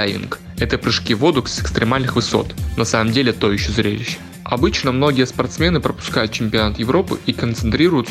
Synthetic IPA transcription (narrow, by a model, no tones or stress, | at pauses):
ajʲɪ̰nk | ɛt̪əpɾɨʂkʲivo̞d̪ʊksɪkst̪ɾʲɪmalʲnɨxvɨso̞̰t̪nɐsaməmdʲelʲɪt̪oɪɕːozɾʲḛlʲɪɕːɪ̥ | ɐbɨt͡ɕnəmno̞ɡʲijəspɐrt̪smʲe̞nɨpɾəpʊ̥skajʊt̪̚t͡ɕɪmʲpʲɪɐnat̪jɪvɾo̞pɨ̰ikənt̪sɨnt̪ɾʲiɾʊjʊt̪s